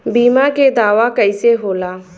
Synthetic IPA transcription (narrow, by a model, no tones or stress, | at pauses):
biːmaked̪aːʋakəiseɦoːlaː